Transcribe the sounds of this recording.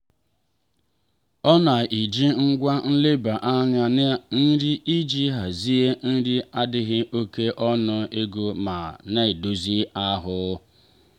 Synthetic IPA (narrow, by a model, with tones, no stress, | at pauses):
ɔ˦na˨ʔi˨d͡ʒi˦ŋ̩˦ɡʷa˦n̩˦lɪ˦ba˨ʔa˦ɲa˦n˦n̩˦ɾɪ˦i˦d͡ʒi˦ɦa˨zi˦e˦n̩˦dɪ˦a˦dɪ˦ɣɪ˦ʔo˦ke˦ʔɔ˦nʊ˦e˦ɡo˦ma˨ne˦˨do˨zi˦a˦ɦʊ˨˦